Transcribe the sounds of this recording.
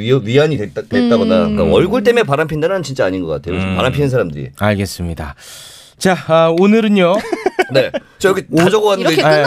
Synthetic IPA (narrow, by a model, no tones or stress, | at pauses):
ɥiaɲitwet̚t͈abodak͈a̰ʌɭɡuɭt͈e̞mepaɾampʰindanɯnt͡ɕint͡ɕ͈aaɲinɡʌk͈a̰tʰe̞jo̰paɾampʰinɯns̬ʰaɾamdɯɾḭaɭɡe̞s͈ɯmɲida̰ | t͡ɕaʌonɯɾɯnjone̞ | t͡ɕ͈ajʌɡiod͡ʑʌɡoanɯn